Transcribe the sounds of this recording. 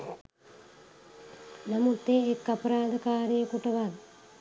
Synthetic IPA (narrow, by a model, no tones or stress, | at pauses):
namut̪ːeːkːapɐɾaːd̪əkaːɾəjəkuʈəʋal